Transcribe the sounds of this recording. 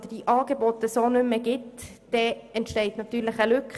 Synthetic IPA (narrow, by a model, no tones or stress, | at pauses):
d̥̪əd̥iʔɑːɡebɔtəsoːnʏməɡɪtd̥ɛɛntʃtɛɪt̪nɑt̪yːɾlɪχəlʉkχ